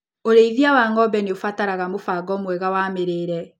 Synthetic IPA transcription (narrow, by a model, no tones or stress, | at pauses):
oɾeiðiawaŋɔbɛneofataɾaɣamofaɡɔmwɛɣawaːmeɾeɾɛ